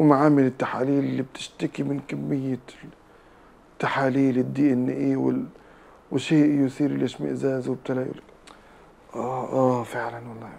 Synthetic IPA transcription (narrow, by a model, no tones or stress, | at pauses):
wmaʕaːmɪlɪt̪ːaħaːliːlɪlːib̚t̪ɪ̥ʃt̪akimɪnkamːɪjːa | t̪ːaħaːliːlɪd̪ːiːʔɪnːɪ̰ʔiwɪ̰ | wɪʃeːʔjʊsiːɾɪlʔeʃmɪ̰ʔzaːzwɪb̚t̪alaːjṵl | ʔaʔaːfɪʕlanwɑlˤːɑː